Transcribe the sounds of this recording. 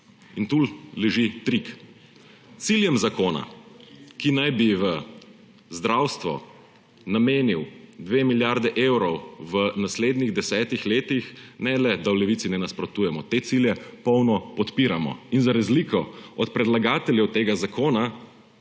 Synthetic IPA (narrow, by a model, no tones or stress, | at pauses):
int̪ullɛʒit̪ɾik | t̪siljɛmzakoːna̰kinajbiʋə | zd̪ɾawst̪ʋɔ̰ | nameːniwd̪ʋemiljaɾd̪ɛʔewɾɔwʋənasleːd̪niɣd̪ɛsɛːt̪ixleːt̪ixnɛlɛd̪awlɛʋit̪sinɛnaspɾɔt̪uːjɛmɔt̪eːt̪siljɛpɔwnɔpɔt̪piːɾamɔ̰inzaɾazlikɔɔt̪pɾɛd̪laɡaːt̪ɛljɛwt̪eːɡazakʰoːna